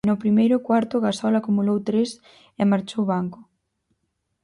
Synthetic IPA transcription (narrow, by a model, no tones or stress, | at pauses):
nʊpɾimejɾʊkwaɾt̪ʊɣasɔlakumulowt̪ɾes | emaɾt͡ʃowβaŋkʊ